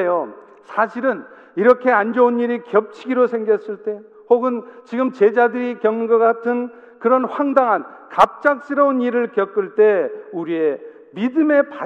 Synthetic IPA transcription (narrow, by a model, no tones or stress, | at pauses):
jo | sʰaɕʰiɾɯn | iɾʌkʰe̞and͡ʑʌuniɾikjʌp̚t͡ɕʰiɡiɾosʰe̞ŋɡjʌs͈ɯɭt͈e̞ | hoɡɯnt͡ɕiɡɯmt͡ɕe̞d͡ʑadɯɾikjʌmɡʌɡatʰɯn | kɯɾʌnɸwaŋdaŋɦankap̚t͡ɕ͈ak̚s͈iɾʌuniɾɯɭkjʌk͈ɯɭt͈e̞uɾie̞ | midɯme̞pa